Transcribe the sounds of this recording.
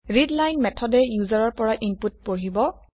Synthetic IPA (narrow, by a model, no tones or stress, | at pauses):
ɹidlajnmɛtʰɔdɛjuzaɹɔɹpɔɹaʔimput̚poɹibɔ